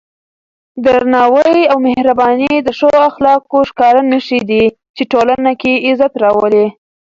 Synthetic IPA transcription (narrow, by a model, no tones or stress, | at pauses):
d̪əɾnɑwəjawmehɾabɑnid̪əʃoaxlɑkoʃkɑɾanəʃid̪i | t͡ʃeʈolanakeɪzat̪ɾɑwəle